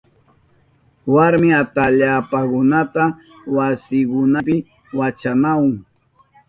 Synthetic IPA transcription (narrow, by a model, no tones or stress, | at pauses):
waɾmɪat̪aʎaːpakʊnat̪a | wasɪkʊnapɪ | wat͡ʃanawʊŋ